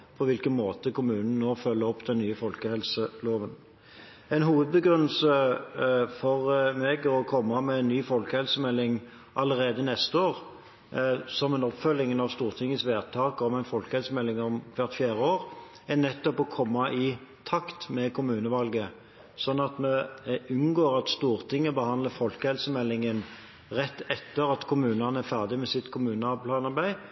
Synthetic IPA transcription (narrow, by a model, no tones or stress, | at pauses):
pʰɔʋɪlkənmoːt̪əkʊmʉːnn̩noːfœlːəɔpːd̪ɛnnyːəfɔlkəhɛlsəloːʋən | ɛɪnɦuːʋəd̪̚bəɡɾʉnːəlsə | fɔʁmeɡɔkʰɔmːɑmɛæɪnnːyːfɔlkəhɛlsəmɛlːɪŋ | ʔɑlːəɾeːd̪ənɛst̪əoːʁ | sɔmɛnɔpfœlːɪŋnɑʋst̪uːʁt̪ʰɪŋːəsʋeːʁt̪ʰɑːkɔmɛɪnfɔlkəhɛlsəmɛlːɪŋɔmkʰʋæʁt̪fjæːʁəoːɾ | ænɛt̪ːɔpɔkʰɔmːɑʔɪt̪ʰɑkt̪mɛkʰʊmʉːnəʋɑlɡə | sɔnːɑt̪mɛʉnɡoːɾɑt̪st̪uːɾt̪ʰɪŋːəbəhɑnd̪əfɔlkəhɛlsəmɛlːɪŋən | ʁɛt̪ːɛt̪ːəɾɑt̪kʰʊmʉːnɑnəæɾfæʁd̪ɪmɛsɪt̪kʰʊmʉːnəɑpʰlɑːnɑɾbæɪ